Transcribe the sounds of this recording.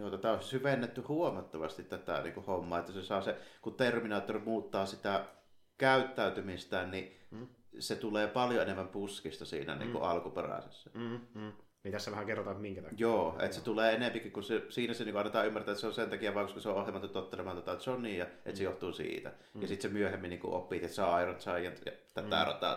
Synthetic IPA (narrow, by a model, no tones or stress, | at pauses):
juːt̪ɑt̪æˑoˑssyʋenːet̪ːyhuomɑt̪ːɑʋɑst̪it̪t̪æt̪æ̰ˑnḭːŋkuhomːɑ̰ːet̪ːæsesɑˑːsekut̪erminɑːt̪ːorimuːt̪ːɑːsit̪æ | kæˑyt̪ːæˑyt̪ymist̪æːnni | set̪uleːpɑljoenemːæmpuskist̪ɑsḭːnæ̰nḭːŋkṵʔɑlkupḛræ̰sḛsːæ | mit̪æsːæʋæhæŋkerːot̪ɑt̪miŋkæt̪ɑjoːʔḛt̪set̪uleːenempikikkusesiːnæseniːkuʔɑnːet̪ɑːymːært̪æʔet̪seonsent̪ɑkijæʋɑˑŋkoskɑseoʔohjemɑt̪ːut̪ot̪ːelemɑːnɑt̪ɑet̪seonniːjɑʔet̪sejoht̪uːsḭːt̪æ̰ | jɑsit̪semyøhemːinniːŋkṵʔʔo̰pːˑiːt̪et̪sɑɑˑirɑnt̪sɑˑjˑɑnt̪jɑt̪æt̪ːæɑ̰ˑrɑ̰t̪ˑɑ̰ː